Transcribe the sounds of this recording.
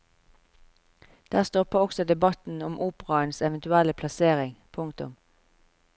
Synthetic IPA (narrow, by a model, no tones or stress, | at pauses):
d̪̥æːʁst̪ɔpəʁɔksɔd̪ɛbɑt̪n̩ʊmʔuːpəʁɑənsɛʋənt̪ʉɛləpʰlɑseːʁɪŋpʰʊŋkt̪ʊ̰m